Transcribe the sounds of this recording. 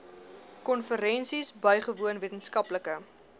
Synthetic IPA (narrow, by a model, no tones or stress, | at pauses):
kɔnfəɾɛnsisbœjχəvuənviətənskɐpləkə